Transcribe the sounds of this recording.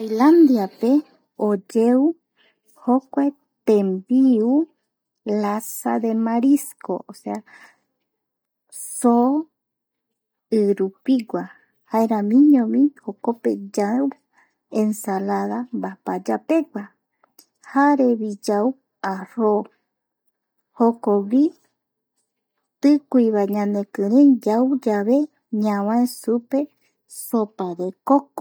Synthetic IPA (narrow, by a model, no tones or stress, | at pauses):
ajland̪iape | od͡ʒeu | hokʷae | t̪ẽmbiu | lasaðemaɾiskoʔosea | so | ɨɾupiɡʷa | haeɾãmĩɲõmĩhokopḛd͡ʒaw | ẽnsalaðambapad͡ʒapeɡʷa | haɾeβid͡ʒau | aɾo | hokoɡi | t̪ɨkʷuiβaɲãnẽkɨɾẽd͡ʒaud͡ʒaβe | ɲãβãẽsupe | sopaɾekok